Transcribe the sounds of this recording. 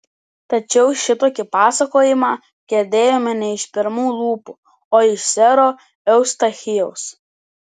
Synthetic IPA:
t̪ɐt͡ʃʲɛʊʃʲɪt̪oːkʲɪpɑːsɐkoːjɪmɑː | ɡʲɛɾʲd̪ʲeːjoːmʲɛnʲɛɪʃpʲɪɾmuːlˠuːpu | oːɪʃsʲɛɾoː | ɛʊst̪ɐxʲɪjɛʊs

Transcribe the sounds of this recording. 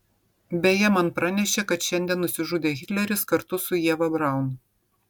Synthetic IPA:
bʲɛjɛmɐnpɾɑnʲɛʃʲeːkɐt̪ʃʲɛnʲd̪ʲiɛnːʊsʲɪʒʊd̪ʲeːɣʲɪt̪ʲlʲɛɾʲɪskɐɾt̪ʊsʊjiɛʋɐbɾɑˑʊn

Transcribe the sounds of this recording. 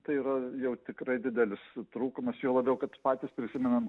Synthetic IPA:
t̪ɐɪiːɾɐjɛʊt̪ʲɪkɾɐɪd̪ʲɪd̪ʲɛlʲɪst̪ɾuːkʊmɐsjuoːlˠɐbʲɛʊkɐt̪pɑːt̪ʲispʲɾʲɪsʲɪmʲɛnɐm

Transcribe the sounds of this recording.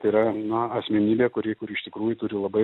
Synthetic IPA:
t̪ɐɪiɾɐnɐɐsʲmʲɛnʲiːbʲeːkʊɾʲiːkʊɾʲɪɪʃt̪ʲɪkɾuːjʊt̪ʊɾʲɪlˠɐbɐɪ

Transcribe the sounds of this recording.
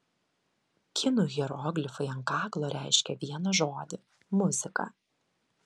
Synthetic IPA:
kʲʰɪnuɣʲɛɾɔːɡlʲɪfɐɪɐŋkɑːklˠoːɾʲʔæˑɪʃʲkʲɛʋʲiɛnɐʒoːd̪ʲɪ | mʊzʲɪkɐ̰

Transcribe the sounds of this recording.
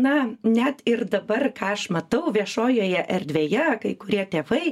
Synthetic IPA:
nɐnʲɛt̪ɪrd̪ɐbɐrkɑːɐʃmɐt̪ɐʊʋʲiɛʃoːjoːjɛʔɛɾʲd̪ʲʋʲeːjɛkɐɪkʊɾʲiɛt̪ʲeːʋɐɪ

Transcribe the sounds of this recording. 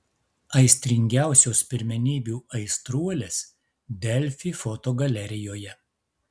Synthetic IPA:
ɐɪsʲt̪ʲɾʲɪŋʲɡʲæˑʊsʲoːspʲɪɾʲmʲɛnʲiːbʲuːɐɪst̪ɾuɔlʲeːs | d̪ʲɛlʲfʲiːfɔt̪oːɡɐlʲɛɾʲɪjoːjɛ

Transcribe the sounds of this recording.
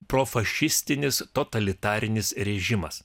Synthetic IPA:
pɾoːfɐʃʲɪsʲt̪ʲɪnʲɪst̪ot̪ɐlʲɪt̪ɑːɾʲɪnʲɪsɾʲɛʒʲɪmɐs

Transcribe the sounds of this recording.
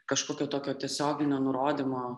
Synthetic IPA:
kɐʃkoːkʲoːt̪oːkʲoːt̪ʲiɛsʲoːɡʲɪnʲoːnʊɾoːd̪ʲimoː

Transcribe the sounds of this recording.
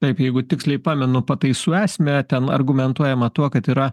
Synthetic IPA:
t̪ɐɪpjɛɪɡʊt̪ʲɪksʲlʲɛɪpɑːmʲɛnʊpɐt̪ɐɪsuːæːsʲmʲɛt̪ʲɛnɐ̰rɡʊmʲɛnt̪uɔjɛmɐt̪uɔkɐt̪iːɾɐ

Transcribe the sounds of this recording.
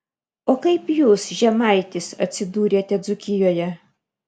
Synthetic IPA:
oːkɐɪpjuːsʒʲɛmɐɪt̪ʲɪsɐ̰t̪ʲsʲɪd̪uːɾʲeːt̪ʲɛd̪zʊkʲɪjoːjɛ

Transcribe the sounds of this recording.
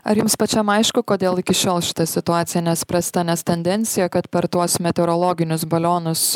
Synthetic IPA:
ɐɾjʊmspɐt͡ʃʲɛmɐɪʃkʊkoːd̪ʲeːlˠɪkʲɪʃʲoːlˠʃʲɪ̥t̪ɐsʲɪt̪ʊɑːt̪sʲɪjɛnʲɛspɾɐsʲt̪ɐnʲɛst̪ʲɛnʲd̪ʲɛnʲt̪sʲɪjɛkɐt̪pʲɛɾt̪uɔsmʲɛt̪ʲɛɾoːlˠoːɡʲɪnʲʊs̬bɐlʲoːnʊs

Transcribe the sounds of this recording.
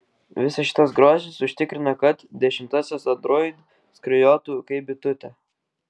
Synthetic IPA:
ʋʲɪsɐʃʲɪ̥t̪ɐs̬ɡɾoːʒʲɪsʊʃʲt̪ʲɪkɾʲɪnɐkɐt̪d̪ʲɛʃʲɪmt̪ɐsʲɛsɐnd̪ɾɔɪd̪ | skɾʲɐjoːt̪uːkɐɪbʲɪt̪ʊt̪ʲɛ

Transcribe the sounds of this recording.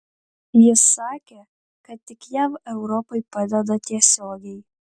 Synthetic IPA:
jɪsːɑːkʲeː | kɐt̪t̪ːʲɪkjæʋɛʊɾɔpɐɪpɑd̪ʲɛd̪ɐt̪ʲiɛsʲoːɡʲɛɪ

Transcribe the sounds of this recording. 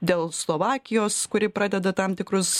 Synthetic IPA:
d̪ʲeːlˠslˠoːʋɑːkʲɪjoːskʊɾʲɪpɾɑːd̪ʲɛd̪ɐt̪ɑmt̪ʲɪkɾʊs

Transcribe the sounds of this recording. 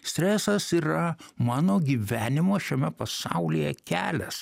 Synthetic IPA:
sʲt̪ʲɾʲæːsɐsiːɾɐmɑːnoːɡʲiːʋʲæːnʲɪmoːʃʲɛmʲɛpɐsɑ̰ˑʊlʲijɛkʲæːlʲɛs

